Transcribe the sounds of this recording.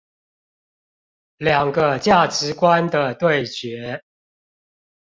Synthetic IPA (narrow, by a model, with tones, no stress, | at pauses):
ljɑ˨˩ŋɡə˦t͡ɕja˥˩ʈ͡ʂɻ̩˧˦kwa˦nd̪ə˨t̪we˥˨ɪt͡ɕɥɛ˨˥˦